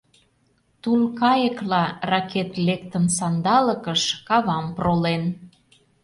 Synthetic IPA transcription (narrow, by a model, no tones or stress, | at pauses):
t̪ulkɑjəklɑrɑket̪lekt̪ənsɑnd̪ɑləkəʃkɑβɑmprolen